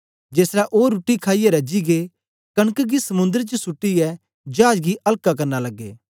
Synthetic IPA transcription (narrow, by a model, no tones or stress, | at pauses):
d͡ʒeːsɾaʔoːɾuːʈːikʰaːijɛɾɐd͡ʒiɡe | kɐɽ̃əkɡisɐmʊ̃nd̪əɾt͡ʃəsʊʈːiɛ | d͡ʒaːd͡ʒɡiʔɐlkakɐɾnalɐɡːḛː